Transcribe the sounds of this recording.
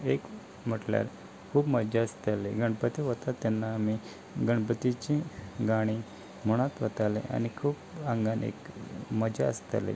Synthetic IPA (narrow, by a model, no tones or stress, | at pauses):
ek | m̤əʈlja̰ɾ | kʰuːpməd͡ʑaəst̪aleɡəɳpət̪iʋət̪at̪ːanːaːmi | ɡəɳ̃pət̪it͡ɕĩɡaɽ̃i | m̤uɽ̃at̪ʋət̪alḛʔa̰nikʰuːpaŋɡanḛkməd͡ʑaːst̪a̰lḛ